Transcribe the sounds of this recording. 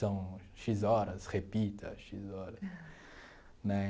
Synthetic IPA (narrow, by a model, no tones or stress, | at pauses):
sɐ̃w̃ʃizɔɾɐsʁepit̪ʰɐ̰ʃizɔɾɐs | nɛ